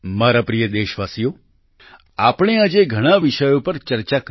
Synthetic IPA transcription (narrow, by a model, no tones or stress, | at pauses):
maɾapɾijəd̪eʃʋasijo | apɽ̃ead͡ʒeɡʱəɽ̃aʋiʃəjopəɾt͡ʃəɾt͡ʃak